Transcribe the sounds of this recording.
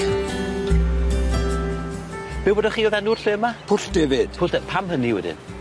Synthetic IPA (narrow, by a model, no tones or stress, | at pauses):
b̥ɪwboːdaχiːoðɛnʊrɬɪːmapʰʊɬd̥eːvɪd̥pʰʊlɛpʰamhəniwɛ̰dɪ̰n